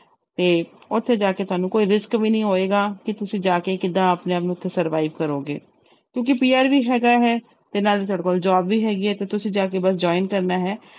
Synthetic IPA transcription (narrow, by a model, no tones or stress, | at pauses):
t̪eːʊt̪ʰːeːd͡ʒaːkeːt̪ʊaːnũːkoːiːɾɪskʋiːnəĩːɦoːeːɡaːkɪt̪ʊsĩːd͡ʒaːkeːkɪd̪ãːəpneːəpnũʊt̪ʰːeːsəɾʋaːiʋkəɾoːɡḛː | kjõːkipiːaːɾʋiːɦɛːɡaːɦɛː | t̪enaːliːt̪ɔːɽeːkoːld͡ʒaːbʋiːɦɛːɡiːɦɛːt̪eːt̪ʊsĩːd͡ʒaːkeːbəsd͡ʒɔːinkəɾnaːɦɛː